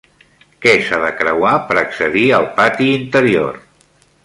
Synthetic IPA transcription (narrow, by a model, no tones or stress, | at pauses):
kɛsaðəkɾəwapəɾəksəðiəlˠpat̪iːnt̪əɾio̰r